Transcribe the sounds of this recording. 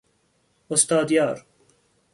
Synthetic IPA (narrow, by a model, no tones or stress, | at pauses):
ʊst̪ɑːd̪jɑːɾ